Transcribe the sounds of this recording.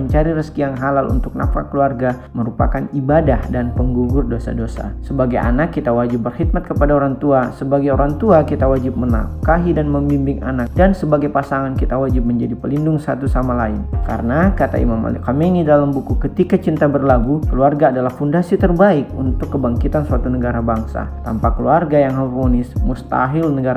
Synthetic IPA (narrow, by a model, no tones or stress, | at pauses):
əɲt͡ʃaɾiɾəskijaŋɦalalʔṵnt̪ʊk̚na̰fa̰kːəluarɡa | məɾupa̰kanibadahdanpəŋɡuɡʊrdosa̰dosa̰səbaɡaja̰nakːit̪awad͡ʒɪp̚bərhit̪̚mat̪̚kəpadaoɾaŋt̪uasəbaɡajoɾaŋt̪uakit̪awad͡ʒɪp̚məna̰kaɦidanməmbimbɪŋa̰nak̚dansəbaɡajpasaŋankit̪awad͡ʒɪp̚məɲd͡ʒadipəlindʊŋsat̪usamalaɪnka̰ɾənakat̪a̰ḭmama̰likamenidalambukukət̪ikat͡ʃint̪abərlaɡukəluarɡaːdalahfundasit̪ərbaɪkunt̪ʊkːəbaŋkit̪ansuat̪unəɡaɾabaŋsa̰t̪ampakəluarɡajaŋɦavonɪsmust̪a̰ɦɪlnəɡaɾ